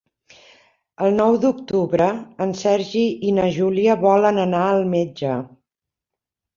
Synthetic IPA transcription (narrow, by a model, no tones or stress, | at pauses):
əlˠnɔwd̪uk̚t̪uβɾəənsɛɾʒiinəʒuliəβɔlənənaəlˠmed͡ʒə